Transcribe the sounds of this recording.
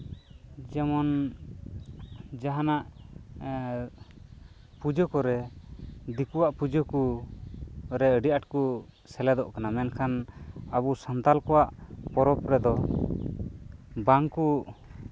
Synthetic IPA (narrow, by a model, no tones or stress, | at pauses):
d͡ʒɛmɔn | d͡ʒaɦanaʔ | pud͡ʒɔkɔɾɛ | d̪ikuwaʔpud͡ʒɔku | ɾɛəɖiʔaʈku | sɛlɛd̪ɔʔkanamɛnkʰanəbusant̪alkɔwaʔpɔɾɔpɾɛd̪ɔ | baŋku